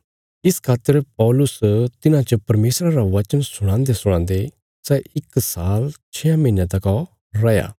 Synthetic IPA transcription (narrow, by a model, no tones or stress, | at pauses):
ɪskʰaːt̪ːəɾpɔːlʊst̪ɪnãt͡ʃɐpɐɾmeːsɾãɾaʋɐt͡ʃənsʊɽ̃ãːnd̪esʊɽ̃ãːnd̪e | sɛɪksaːlt͡ʃʰɛːamɐinjãt̪ɐkɔ | ɾɐja̰ː